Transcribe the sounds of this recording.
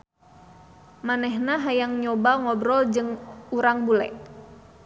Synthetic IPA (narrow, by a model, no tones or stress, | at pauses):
manɛɦnaɦajaŋɲɔbaŋɔbɾɔld͡ʒɨŋuɾaŋbulɛ̰ʔ